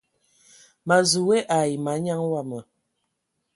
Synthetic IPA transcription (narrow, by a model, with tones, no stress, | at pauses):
ma˨zu˨wɛ˦ʔa˨ji˨ma˨˦ɲa˦ŋwa˦˨mə˨